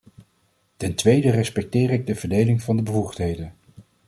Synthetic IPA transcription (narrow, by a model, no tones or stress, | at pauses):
tɛntʋejdərɛspɛk̚tɪːɾɪɡ̚dəvəɹdejlɪŋvɑndəbəvuχtɦejdən